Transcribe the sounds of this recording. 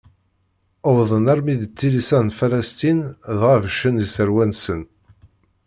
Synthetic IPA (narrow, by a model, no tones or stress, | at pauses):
əwðˤənæɾmiðət͡sːilisænfælæst̪inðʁævʃənəsəɾwænsən